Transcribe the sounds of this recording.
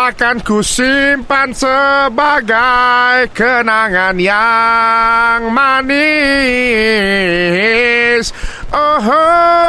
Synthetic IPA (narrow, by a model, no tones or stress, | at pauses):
akankusimpansəbaɡajkənaŋanja | ŋmani | sʔoɦ